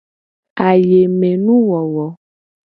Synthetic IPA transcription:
a˨je˨mɛ̃˨nũ˦wɔ˨wɔ˨

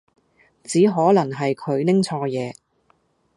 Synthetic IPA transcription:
t͡siː˨˥ɦɔː˨˥lɐ˨˩ŋɦɐ˨jkʰɵ˨˧ɥlɪ˥ŋt͡sʰɔː˧jɛː˨˧

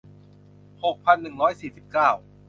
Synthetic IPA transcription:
ho˨˩k̚pʰa˧nːɯ˨˩ŋɾɔː˦˥jsiː˨˩si˨˩p̚kaː˥˩w

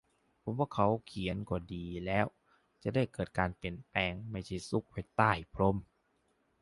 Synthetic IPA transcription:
pʰo˨˦mwaː˧˥˩kʰa˦˥wkʰi˨˩˦ənkɔː˨˩diː˨˩lɛː˦˥˩w | t͡ɕa˨˩da˥˩jkɤː˨˩t̪̚kaː˧npi˨˩ənpɛː˧ŋma˥˩jt͡ɕʰa˥˩jsu˦˥˩k̚pʰa˥˩jt̪aː˥˩jpʰɾo˧˥˨m

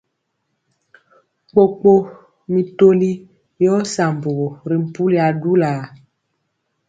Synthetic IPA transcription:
k͡po˨k͡po˦ | mi˨to˦li˦ | jɔ˦sa˨mbo˨ɣo˨ɾi˨m̩˨pu˦li˨a˨du˦la˨

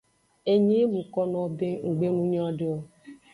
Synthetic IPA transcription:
e˨ɲe˦mũ˨kɔ˦nɔ̃˨be˦ŋ̩˨ɡ͡be˦nũ˦ɲ˦ã˦ɖe˦o˦

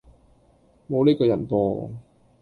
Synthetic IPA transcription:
mo˨˧wliː˥kɔː˧jɐ˨˩npɔː˧

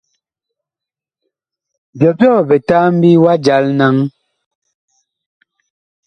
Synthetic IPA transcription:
bjɔ˨pjɔ˦˨bɛ˨ta˦m̩˦bi˦wa˦d͡ʒa˨˦lna˦ŋ

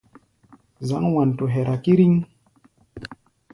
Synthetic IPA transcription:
za˦ŋwa˨n˨tu˨ɦɛ˨ɾa˨ki˦ɾi˦ŋ

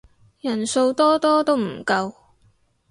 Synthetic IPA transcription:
jɐ˨˩nso˧wt̪ɔː˥t̪ɔː˥t̪o˥wm̩˨˩kɐ˧w

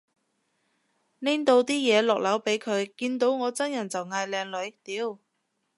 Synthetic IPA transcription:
nɛː˥ŋt̪o˧wt̪iː˥jɛː˨˧lɔː˨k̚lɐ˨˥wpe˨˥jkʰɵ˨˧ɥkiː˧nt̪o˨˥wŋɔː˨˧t͡sɐ˥njɐ˨˩nt͡sɐ˨wŋaː˧jlɛː˨˧ŋlɵ˨˧ɥt̪iː˨˥w

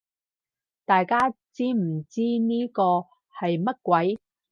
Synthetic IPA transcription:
t̪aː˨jkaː˥t͡siː˥m̩˨˩t͡siː˥niː˥kɔː˧ | hɐ˨jmɐ˥t̚kʷwɐ˨˥j

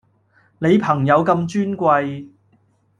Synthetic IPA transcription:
ne˨˧jpʰɐ˨˩ŋjɐ˨˧wkɐ˧mt͡ʃyː˥nkʷɐ˧j

